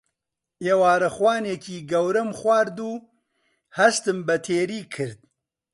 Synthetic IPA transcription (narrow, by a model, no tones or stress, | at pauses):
eːwaːɾɐxwaːneːkʰiːɡɐwɾɐmxwaːɾd̪uː | hɐst̪ɨmbɐt̪ʰeːɾiːkʰɨɾd̪̚